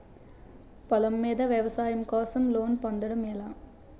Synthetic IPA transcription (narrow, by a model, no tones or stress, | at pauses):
pɐlɐmːiːðɐʋjɛʋɐsaːjɐmkoːsɐmloːnpɐnd̪ɐɽɐmɛlaː